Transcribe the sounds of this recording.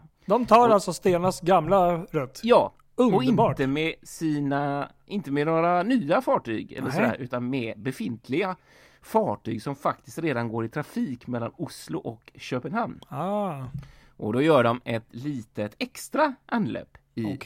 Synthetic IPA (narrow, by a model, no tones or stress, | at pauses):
d̪ɔmt̪ʰɑːɾalt̪sɔst̪eːnaasɡamlaɾœt̪ːjɑː | ɵɔɪnbɑːt̪ːəmɛsiːna | ʔɪnt̪əmɛnoːɾanyːafɑːʈy̰ːɡɛ̰lːəɾʂɔd̪æ̰ːɾʔʉ̟ːt̪anmɛbɛfɪnt̪ʰlɪɡa | fɑːʈy̰ːɡsɔmfakt̪ɪ̥st̪ɾeːd̪anɡoːɾɪt̪ʰɾafiːkmɛlːanʊslʊʔɔkɕøːpənhann | ʔɔd̪ɔjœːɖɔmɛt̪liːt̪ət̪ɛkst̪ɾaʔanlɛ̰ːpː | ɪ